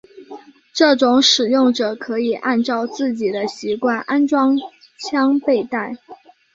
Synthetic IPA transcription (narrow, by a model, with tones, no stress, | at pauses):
ʈ͡ʂɤ˥˩ʈ͡ʂʊ˧˥ŋʂɻ̩˨˩jʊ˥˩ŋʈ͡ʂɤ˨˩kʰɤ˧˥i˨˩ʔa˥˧nʈ͡ʂɑ˥˧ʊt͡sɹ̩˥˩t͡ɕi˨˩d̪ə˦ɕi˧˥kwa˥˩nʔa˥nʈ͡ʂwɑ˥ŋ | t͡ɕʰjɑ˥ŋpe˥˧ɪt̪a˥˩ɪ